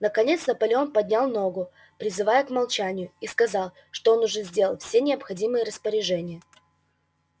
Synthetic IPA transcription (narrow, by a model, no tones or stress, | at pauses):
nəkɐnʲe̞t̪snəpɐlʲo̞npɐd̪ʲnʲalˠno̞ɡʊ | pɾʲɪzɨvajəkmɐlˠt͡ɕænʲɪjʊiskɐzɑlˠ | ʂt̪oonʊʐɛzʲdʲe̞lˠəlˠfsʲe̞nʲɪɐpxɐdʲimɨjəɾəspəɾʲɪʐɛnʲɪjə